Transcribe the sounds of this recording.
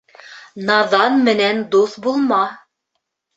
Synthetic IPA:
nɑðɑnmɘ̆nænd̪uθbulˠmɑ

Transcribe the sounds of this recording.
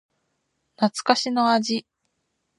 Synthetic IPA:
nat͡sɨ̥kaɕino̞aʑi

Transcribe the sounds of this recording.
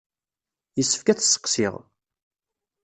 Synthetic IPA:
jəsːə̥fkæt͡sːsːə̥qsɪ̰ʁ

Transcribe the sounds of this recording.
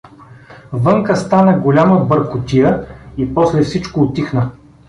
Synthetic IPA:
vɤŋkəst̪anəɡolʲaməbəɾkʊt̪ijəipɔslɛfsit͡ʃkoːt̪ixnə

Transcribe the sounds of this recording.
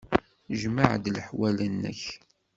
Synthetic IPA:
ʒmaʕd̪lħwælənːə̰ç

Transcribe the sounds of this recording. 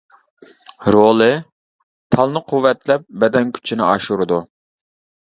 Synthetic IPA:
ɾolˠɨ | t̪ʰɑlˠnɨqʰuwːɛt̪lɛp̚bɛd̪ɛnkʲʰy̥t͡ʃʰinɪɑʃuɾɨd̪u

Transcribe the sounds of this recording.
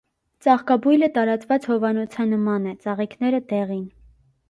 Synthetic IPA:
t͡sɑχkɑbujlət̪ɑɾɑt͡svɑt͡shɔvɑnɔt͡sʰɑnəmɑnɛt͡sɑʁikʰnɛɾət̪ɛʁin

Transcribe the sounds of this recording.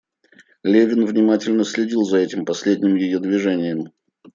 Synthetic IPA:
lʲevʲɪnvnʲɪmatʲɪlʲnəsʲlʲɪdʲilˠzɐɛtʲɪmpɐsʲlʲedʲnʲɪmjɪjod̪vʲɪʐɛnʲɪjəm

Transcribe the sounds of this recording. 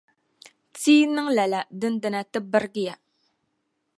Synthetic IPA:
t͡sinəŋlalad̪ənd̪ənat̪əbərɡija

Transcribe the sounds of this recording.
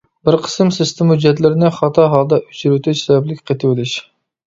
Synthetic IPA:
bɪɾqʰə̥sɨmsɪst̪ʰɪmud͡ʒɛt̪lɪɾɪnɪχɑt̪ʰɑɦɑlˠd̪ɑʔyt͡ʃʰiɾyt̪ʰɪt͡ʃsɛvɛblɪkʲqʰet̪ʰɪwɪlɪʃ

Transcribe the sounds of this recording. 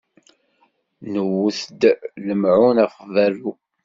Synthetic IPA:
nəwːuθd̪ləmʕunaχðæru

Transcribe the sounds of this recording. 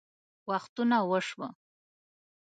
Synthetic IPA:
waxt̪unawəʂwə̰

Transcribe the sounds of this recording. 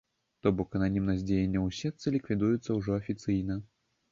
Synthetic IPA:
t̪ɔbɔkɐnanʲimnɐzʲd͡zʲejenʲːɐwsʲɛt̪sɨlʲikvʲid̪ujut̪sːɐwʐɔɐfʲit̪sɨjnɐ

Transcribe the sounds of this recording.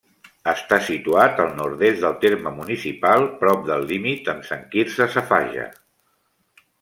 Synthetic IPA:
əst̪asit̪uat̪əlˠnuɾðest̪d̪əlˠt̪eɾməmunisipalˠpɾɔp̚d̪əlːimit̪əmsəŋkiɾsəsəfa̰ʒə̰

